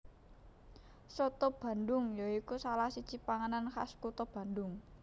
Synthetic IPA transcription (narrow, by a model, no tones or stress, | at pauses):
sɔt̪ɔb̥a̤nd̪ʊŋjaikusalahsit͡ʃipaŋananxa̰skut̪ɔb̥ä̤nd̪ʊŋ